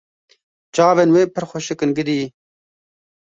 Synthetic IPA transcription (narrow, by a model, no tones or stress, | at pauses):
d͡ʒɑːvenweːpʰəɾxoʃɨkɨnɡɨd̪iː